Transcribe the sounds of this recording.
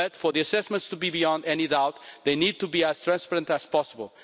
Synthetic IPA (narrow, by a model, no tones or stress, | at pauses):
ʌt̪fɔ˞ðiɐsɛsmə̃nt̪st̪ubibiɔ̃nd̪ɛnidawt̪ðejnid̪̚t̪ubiæz̥t̪ɾãnspɛɾə̃ntæz̥pɔsəbə̰lˠ